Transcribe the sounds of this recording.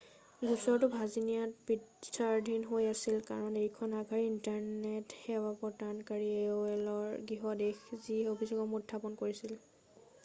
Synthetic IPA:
ɡʱusɔɹtʊbʱazinijatbisaɹdʱinɦojasilkaɹɔnejkʰɔnaɡʱaɹiintaɹnethɛwapɔtankaɹieɛlɔɹɡiɦɔdexziobʰʱisɔkɔmutʰːapɔnkoɹisil

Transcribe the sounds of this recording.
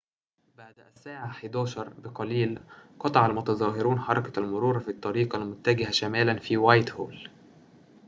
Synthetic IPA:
baʕd̪ʔæsːaːʕaħid̪oːʃɑɾˤbɪqɑliːlqɑt̪ˤɑʕalmʊt̪ɑzˤɑːɦɪɾuːnħɑɾˤɑkḁlmʊɾuːɾɑfit̪ˤːɑɾiːqɑlmʊt̪ːæɡɪhæʃæmæːlænfiːwajt̪hoːl

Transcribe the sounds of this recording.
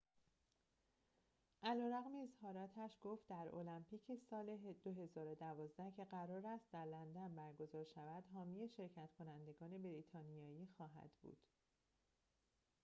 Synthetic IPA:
ʔælɒːɾæɣmiezhɒːɾɒːt̪ʰæʃɡ̥oːft̪̚d̪æɾo̞̰læmpʰiːcʰe̞sɒːled̪̥oɦe̞zɒːɾo̞d̪ævɒːzd̪æhcʰe̞ɢæɾɒːɾæst̪̚d̪æɾlænd̪ænbæɾɡo̞zɒːɾʃævæd̪ɦɒːmiːjeʃe̞ɾcʰæt̪ʰkʰo̞nænd̪e̞ɡɒːne̞beɾiːt̪ʰɒːnijɒːjiːxɒːɦæ̰d̪̥bṵːd̪̥

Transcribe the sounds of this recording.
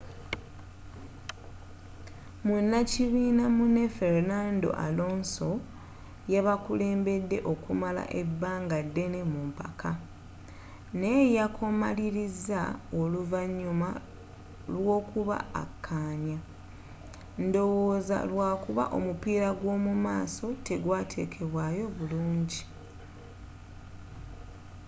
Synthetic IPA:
munːaciβiːnamune̞fe̞ɾnaːndo̞̰ʔa̰lo̞ːnso̞ | jaβakule̞ːmbe̞dːe̞ʔo̞kumala̰ʔe̞bːaːŋɡadːe̞ne̞mumpa̰kʰa | nejakʰo̞ma̰liɾizaoluvaɲːuma | lwo̞ːkuβa̰a̰kʰːaːɲa | ndo̞woːza̰lwaːkuβa̰ʔo̞̰mupiːɾaɡwo̞ːmumaːso̞te̞ɡwaːtʰe̞ːkʰe̞βwajo̞βuluːɲɟi

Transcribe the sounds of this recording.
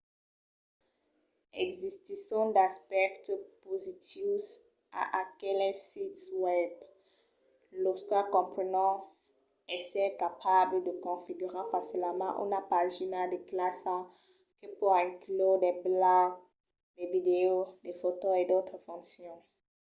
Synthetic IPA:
ɛ̰ɡzist̪isɔ̃d̪aspɛkt̪pozit̪is | a̰ʔakɛlɛsit̪wɛb | lɔskakɔ̃pχənɑ̃ | ɛsɛkapʰabləd̪əkɔ̃fiɡyʁefasilmɑ̰̃ʔṵnapaʒinad̪ɛklasa | kəpuʁɛ̃klod̪ɛblaɡ | d̪ɛvid̪eod̪ɛfot̪oed̪ot̪χəfɔ̃ksjɔ̃

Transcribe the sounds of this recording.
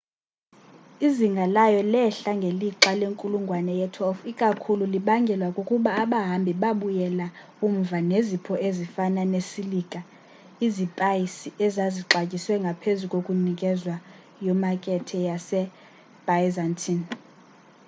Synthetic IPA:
iziŋɡʱalajɔlɛɬaŋɡʱeliǁaleŋkʼuluŋɡʱwanɛjɛtʰɔfikʼakʰululiɓaŋɡʱɛlwakʼukʼuɓaːɓaɦambʱiɓaɓujɛla | um̩vanezipʰɔʔezifananesilikʼa | izipʼajisiʔɛzaziǁacʼiswɛŋɡʱapʰezukʼokʼunikʼɛzwa | jɔmakʼɛtʰɛjasɛ | b̥ajzantʰʼin

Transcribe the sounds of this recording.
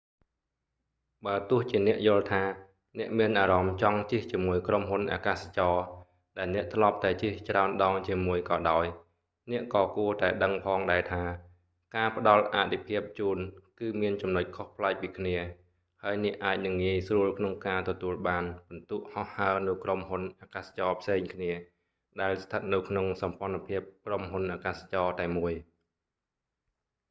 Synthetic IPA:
ɓaət̪ʊ̆əht͡ɕiənɛ̆əʔjʊ̆əlt̪ʰaː | nɛ̆əʔmiənʔaːɾɑmt͡ɕɑŋt͡ɕeht͡ɕiəmuəjkromɦunʔa̰ːkaːsḁt͡ɕɑː | ɗaɛlnɛ̆əʔt̪ʰlŏəp̚t̪aɛt͡ɕeht͡ɕraənɗɑːŋt͡ɕiəmuəjkɑːɗaɔj | nɛ̆əʔkɑːkuət̪aɛɗəŋpʰɑːŋɗaɛt̪ʰaː | kaːpə̆ɗɑlʔa̰ːt̪ʰipʰiəp̚t͡ɕuːnkɨːmiənt͡ɕɑmnoc̚kʰohpʰlaɛk̚piːkʰniə | haəjnɛ̆əʔaːc̚nɨŋːiəjsruəlkʰnoŋkaːt̪ɔt̪uəlɓaːnɓɑnt̪uəʔhɑhhaənɨwkromhunʔaːkaːst͡ɕɑːpʰseːŋkʰniə | ɗaɛlst̪ʰət̪̚nɨwkʰnoŋsɑmpŏənapʰiəp̚kromɦunʔaːkaːst͡ɕɑːt̪aɛmuəj

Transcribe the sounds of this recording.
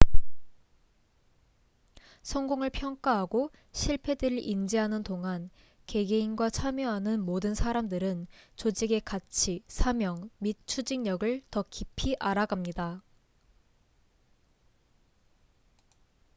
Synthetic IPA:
sʰʌŋɡoŋɯɭpʰjʌŋk͈aɦaɡo | ɕʰiɭpʰe̞dɯɾɯɭʔind͡ʑiɦanɯntoŋan | ke̞ɡeinɡwat͡ɕʰamjʌɦanɯnmodɯnsʰaɾamdɯɾɯnt͡ɕod͡ʑiɡe̞kat͡ɕʰisʰamjʌŋmit̚t͡ɕʰud͡ʑiŋɲʌɡɯɭtʌkipʰiʔaɾaɡamɲida

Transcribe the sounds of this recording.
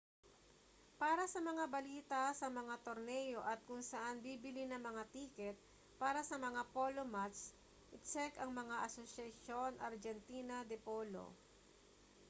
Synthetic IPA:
paːɾɐsɐmɐŋabɐliːt̪ɐsɐmɐŋat̪oɾnɛjo̞ʔɐt̪̚kʊŋsɐʔanbiːbɪlinɐŋmɐŋat̪iːkɛt̪̚ | paːɾɐsɐmɐŋapo̞ːlomat̪s | ʔɪt͡ʃɛkɐŋmɐŋaʔɐsosjɐʃo̞nʔɐɾd͡ʒɛnt̪iːnɐd̪ɛpoːlo̰

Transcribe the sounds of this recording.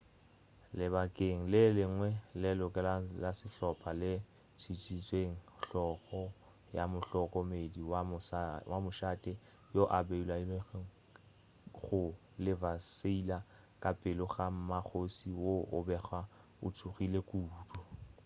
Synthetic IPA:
lɪbakʼeŋ̩lɪlɪŋ̩ŋwɛlɛlʊkʼɛlalasɪɬɔpʰʼalɪ | t͡sʰit͡ʃʼit͡sʼweŋ̩ɬɔχɔ | jamʊɬɔkʼɔmediwawamʊʃaːtʼɪ | joʔabeilai | ɣʊ | lɪvaseila | kʼapʼɪlʊχam̩mak͡xʰosiwoʔʊ̰bɛχa | ʊ̰tʰuχilekʼuːdɔ

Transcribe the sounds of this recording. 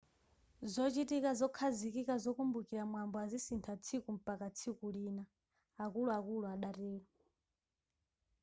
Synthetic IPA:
zɔt͡ʃitikazɔkʰazikikazɔkumbukiɾamwambɔazisintʰat͡sʰikum̩pakat͡sʰikuliːna | akuluakuluaɗatɛːlɔ

